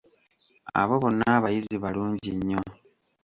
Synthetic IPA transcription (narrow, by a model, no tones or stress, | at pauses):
a̰βo̞βo̞nːaːβajiziβaluːɲɟiɲːo̞